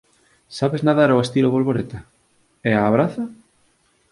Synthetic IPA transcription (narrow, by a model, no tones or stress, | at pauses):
saβeznaðaɾoest̪iloβolβoɾet̪a | eaːβɾaθa